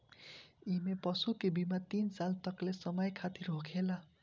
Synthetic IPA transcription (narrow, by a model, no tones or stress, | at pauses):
imepʌsukebimat̪insalt̪ʌklesʌmʌjkʰat̪iɾɦokʰela